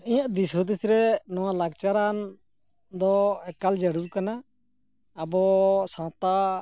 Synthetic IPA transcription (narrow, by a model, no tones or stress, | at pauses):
ĩjãʔd̪isɔd̪isiɾɛnɔwãlaɡt͡ʃaɾan | d̪ɔɛkald͡ʒəɽuɾkanaː | bɔsãt̪a